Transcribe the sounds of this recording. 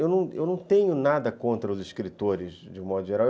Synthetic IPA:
ewnɐ̃w̃ḛwnɐ̃w̃t̪ẽɲʊnad̪ɐkõnt̪ɾɐʊziʃkɾit̪oɾɪzd͡ʒɪmɔd̪ʊʒeɾaw

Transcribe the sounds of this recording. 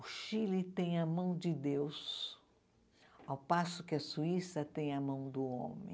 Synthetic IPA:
ʊʃilit̪ẽj̃ɐmɐ̃w̃d͡ʒɪd̪ews | awpasʊkɪɐsuisɐt̪ẽj̃ɐmɐ̃w̃d̪ʊõ̰mḛ̃

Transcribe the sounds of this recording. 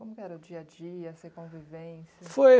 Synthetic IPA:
kõmʊkɪɛɾɐʊd͡ʒiɐd͡ʒiɐsekõvivẽsɐfoj

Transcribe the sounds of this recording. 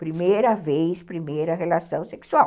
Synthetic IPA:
pɾimejɾɐvejspɾimejɾɐɦelasɐ̃w̃seksuaw

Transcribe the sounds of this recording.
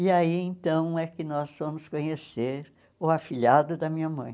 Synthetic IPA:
ɪaiẽt̪ɐ̃w̃ɛkɪnɔzvɐ̃mʊskõɲeseɾ | ʊafiʎad̪ʊd̪ɐmĩɲɐmɐ̃j̃

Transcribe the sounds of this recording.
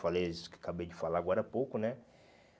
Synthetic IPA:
falejskakabejd͡ʒɪfalaaɡɔɾɐpowkʊnɛ

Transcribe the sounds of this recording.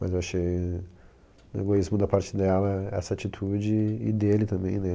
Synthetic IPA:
mɐzewaʃej | eɡoizmʊd̪ɐpaɾt͡ʃɪd̪ɛlɐɛɛ̰sɐat͡ʃit̪ʰud͡ʒɪːd̪elɪt̪ɐ̃mbẽj̃nɛ

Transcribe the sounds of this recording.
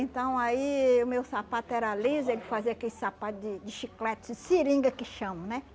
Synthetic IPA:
ẽnt̪ɐ̃w̃aiʊmewsapat̪ʊɛɾalizelɪfaziɐakelɪsapat̪ʊd͡ʒɪd͡ʒɪʃiklɛt̪ɪsd͡ʒɪsiɾĩŋɡɐkɪʃɐ̃mɐnɛ

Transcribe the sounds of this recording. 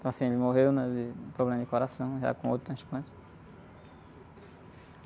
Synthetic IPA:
t̪ɐ̃w̃asĩelɪmoɦewnɐzɪ̃pɾoblẽmɐd͡ʒɪkoɾasɐ̃w̃ʒa̰kõo̰wt̪ɾʊt̪ɾɐ̃splɐ̃t͡ʃ̪ɪ̥

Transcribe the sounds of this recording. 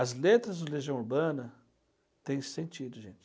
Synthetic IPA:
ɐzlet̪ɾɐzd̪ʊleʒiɐ̃w̃uɾbɐ̃nɐ | t̪ẽj̃sẽnt͡ʃid̪ʊʒẽnt͡ʃ

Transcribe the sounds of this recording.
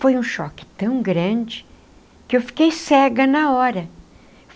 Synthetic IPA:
fojũʃɔ̰kɪ̥t̪ɐ̃w̃ɡɾɐ̃d͡ʒɪ | kɪewfi̥kejsɛɡɐnɐɔɾɐ

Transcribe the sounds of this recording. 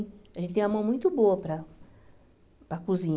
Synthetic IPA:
aɐʒẽt̪ɪt̪ẽj̃amɐ̃w̃mũj̃t̪ʊboɐpɾɐ | pɾɐkuzĩɲ

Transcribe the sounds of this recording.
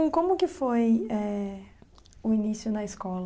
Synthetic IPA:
kõmʊkɪfojɛ | ʊinisjʊnɐɪskɔlɐ

